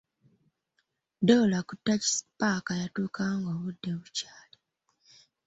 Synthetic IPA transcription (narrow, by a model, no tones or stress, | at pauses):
dolakutːaci̥si̥paːkajatuːkʰaːŋɡo̞ːβudːe̞βucaːle